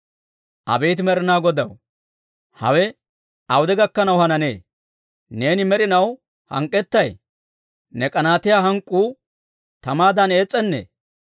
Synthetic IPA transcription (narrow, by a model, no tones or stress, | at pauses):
ʔɐ̰bejt̪̬ɪmɛɾɪnaːɡɔd̪ɐw | hɐ̰wɛ | ɐwʊd̪ɛɡɐkːɐnɐwhɐnɐne̞̰ː | ne̞ːnɪmɛɾɪnɐw | hɐ̰ŋkʼːɛt̪ːɐj | nɛkʼɐnaːt̪ɪjaːɦɐŋkʼːuː | t̪ɐmaːd̪ɐne̞ːt͡sʼːɛnːḛː